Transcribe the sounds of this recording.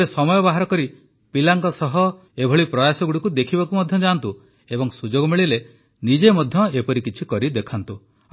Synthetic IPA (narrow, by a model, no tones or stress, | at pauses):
esɔmɔjɔbaɦaɾɔkɔɾi | pilaŋkɔsɔɦɔ | ebʱɔɭipɾɔjasɔɡuɽikud̪ekʰibakumɔd̪ʱjɔd͡ʒaːnt̪u | ebɔŋsud͡ʒoɡɔmiɭile | nid͡ʒemɔd̪ʱjɔepɔɾikit͡ʃʰikɔɾid̪ekʰant̪u